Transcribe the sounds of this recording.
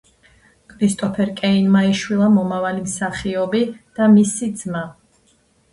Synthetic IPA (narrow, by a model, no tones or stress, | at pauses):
kʰɾist̪ʼɔpʰɛɾkʼɛinmaiʃwilˠamɔmavalimsaχiɔbid̪̥amisid̪z̥ma